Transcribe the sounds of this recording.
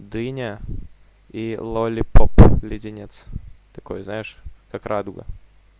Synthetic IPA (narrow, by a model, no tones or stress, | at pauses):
d̪ɨnʲə | ilˠolʲɪpoplʲɪdʲɪnʲet̪st̪ɐko̰jznajɪʂkakɾʔad̪ʊɡə̰